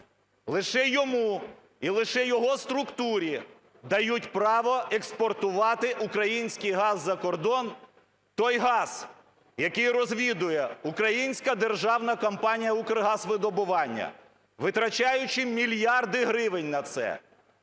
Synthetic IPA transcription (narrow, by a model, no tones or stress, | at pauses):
lˠɪʃɛjɔmu | ilˠɪʃɛjɔɦɔst̪ɾʊkt̪uɾʲi | d̪ɐjutʲpɾɑʋɔekspɔrt̪ʊʋɑt̪ɪʔukɾɐjinʲsʲkɪjɦɑzːɐkɔrd̪ɔn | t̪ɔjɦɑz̥ | jɐkɪjrɔzʲʋʲid̪ʊjɛukɾɐjinʲsʲkɐd̪erʒɑwnɐkɔmpɑnʲijɐukrɦɑsʋɪd̪ɔbʊʋɑnʲːɐ̰ | ʋɪt̪ɾɐt͡ʃɑjʊt͡ʃɪmʲilʲjɑrd̪ɪɦɾɪʋɪnʲnɐt̪sɛ̰